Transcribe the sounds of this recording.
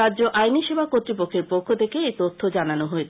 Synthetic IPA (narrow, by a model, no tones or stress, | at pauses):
add͡ʑoʔajniʃebʱakot̪ɾipokʰːeɾpokʰːot̪ʰekeejt̪ot̪ʰːod͡ʑananoɦoet͡ɕʰ